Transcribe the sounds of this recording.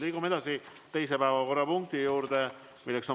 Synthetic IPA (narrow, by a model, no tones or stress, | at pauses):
liːɡ̥ume̞d̪̥ɑsi | t̪e̞js̬epæevɑko̞rːɑpuŋk̚t̪ijuːɾd̪̥e | milːekso